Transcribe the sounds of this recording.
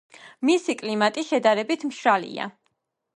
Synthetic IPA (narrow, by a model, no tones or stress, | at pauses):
misikʼlimat̪ʼiʃɛd̪aɾɛbit̪ʰmʃɾalḭa̰